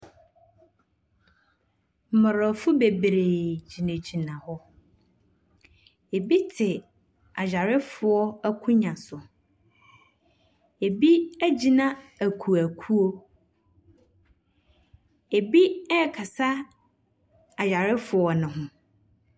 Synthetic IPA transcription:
m̩˨mə˨ɾɔ˨fʊ˦be˨bɾeː˨d͡ʑi˨nẽ˨d͡ʑi˨nã˨hɔ˦ | e˨bi˦tʰɪ˨ | a˨d͡ʑᶣa˨ɾɪ˦fʊ˨ɔ˦æ˦kʰʊ̃˦ɲã˨sʊ˨ | e˨bi˦æ˦d͡ʑi˨nã˦æ˨kʰu˨æ˨kʰu˦o˦ | e˨bi˦ɛ˦˨kʰa˨sa˦ | a˨d͡ʑa˨ɾɪ˦fʊ˨ɔ˨nɪ̃˨ɦʊ̃˨

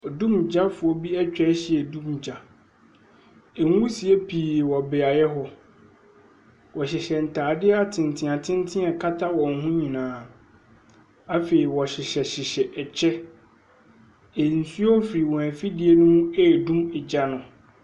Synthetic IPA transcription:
dũ˦m˨d͡ʑa˦fʊ˨ɔ˦bi˦ɛ˦t͡ɕᶣɛ˦ɕɪ˨ɛ˨dũ˦m˨d͡ʑa˨ | ɛ˨ŋ˦u˦si˨e˦pʰiː˨wɔ˨bɛ˨a˨jɛ˦ɦɔ˦ | wɔ˨ɕɪ˨ɕɛ˨n̩˨tʰaː˨dɪ˦ɛ˦a˨tʰɪ̃˨n˨tʰɪ̃˨a˨tʰɪ̃˦n˦tʰɪ̃˦ɛ˨kʰa˦tʰa˦wɔ̃˨n˨˦ɦũ˦ɲĩ˨nãː˨˦ | a˦fe˨ɾi˨wɔ˨ɕɪ˨ɕɛ˨ɕɪ˨ɕɛ˨ʔɛ˨t͡ɕʰɛ˦ | e˨n̩˨su˦ɔ˦fɾi˨wɔ̃˨æ˨fi˦di˨e˦nũ˦ɛ˦˨dũ˦mɪ˨d͡ʑa˦nʊ̃˨

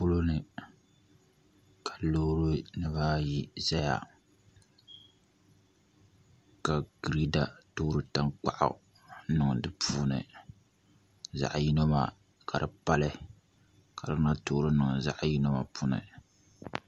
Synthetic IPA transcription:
pʊ˦lo˦nɨ˨ | kʰa˨loː˦ɾɨ˦nɨ˦baː˦ji˦za˦ja̰˨ | ka˨ɡ̥ɾi˦da˨toː˦ɾɨ˨˦ta˦ŋk͡pa̰˦ʔʊ̰˨ | nɨ˨ŋ˨dɨ˦pʰuː˦nɨ̰˨ | za̰˨ʔji˦no˦ma˨ | ka˨ɾɨ˨pa˦lɨ˦ | ka˨dɨ˦na˦toː˦ɾɨ˦nɨ˨ŋ˨za̰˦ʔji˦no˦ma˨pʰu˦nɨ̰˨

